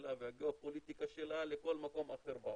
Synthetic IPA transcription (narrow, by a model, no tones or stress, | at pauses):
lavehaɡeopolit̪ikaʃelaleko̞lmako̞mʔateɾba